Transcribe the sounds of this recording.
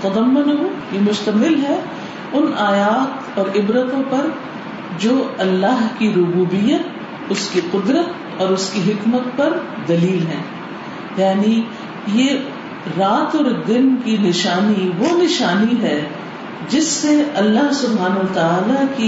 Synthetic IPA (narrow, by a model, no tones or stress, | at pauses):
t̪ɐd̪ɐmːʊnɐɦũjemʊʃt̪ɐmɪlɦɛ | ʊnaːjaːt̪ | ɔːɾɪbɾət̪õpɐɾ | d͡ʒoːɐlːaɦkiɾʊbuːbijət̪̚ | ʊskiqʊd̪ɾət̪ | ɔːɾʊskiɦɪkmət̪̚pɐɾd̪ɐliːlɦɛ̃ː | jaːni | je | ɾaːt̪ɔːɾd̪ɪnkinɪʃaːniʋonɪʃaːniɦɛ | d͡ʒɪsːeɐlːaɦsʊbɦaːnɐʋɐt̪aaːlaki